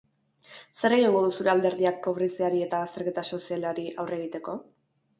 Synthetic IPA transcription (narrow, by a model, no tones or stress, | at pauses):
se̞ɾe̞ɣiŋɡoðusuɾe̞ald̪e̞ɾðiak̚po̞βɾisiaɾie̞t̪aɣast̪e̞ɾke̞t̪aso̞sialaɾiʔawre̞ɣit̪e̞ko̞